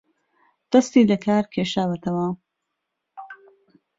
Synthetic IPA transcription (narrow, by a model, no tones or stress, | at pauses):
t̪ɐst̪id̪əkɑːɾkʰeʃɑːwɐt̪awã